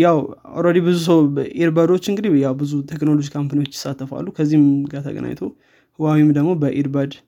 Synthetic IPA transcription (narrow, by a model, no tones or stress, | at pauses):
jawa̰wɾəd̪ibɨzus̬əwʔiɾbəd̪o̞t͡ʃːɨŋɡɨd̪ijawbɨzut̪ʰekno̞lod͡ʒikʰampʰɨnwo̞t͡ʃːjɪ̥sat̪ːəfa̰lːukʰəzːihmɡat̪ʰə̰ɡə̰na̰ɲt̪ʰow | hɨwawimd̪əɡmo̞bəʔiɾbəd̪